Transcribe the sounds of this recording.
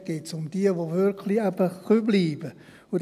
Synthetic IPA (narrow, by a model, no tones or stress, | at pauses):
ɡ̥etsʊmd̥iəʋovɪɾkʰliɛbəχybliːb̥ə | ud